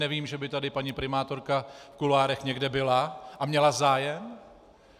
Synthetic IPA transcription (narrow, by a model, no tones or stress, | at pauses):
ɛviːmʒɛbɪt̪adɪpaɲipɾɪmaːt̪o̞ɾkafkulaːɾɛxɲɛɡdɛbɪlaʔamɲɛlazaːjɛm